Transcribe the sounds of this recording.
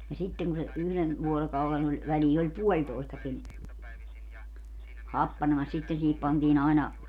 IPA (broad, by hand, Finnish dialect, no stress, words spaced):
jɑ sitːeŋ ku se yhlen ʋuorokɑulen olʲ ʋæliː olʲ puolʲtoistɑkin hɑpːɑnemɑs sitːen siːhip pɑntiːn ɑinɑ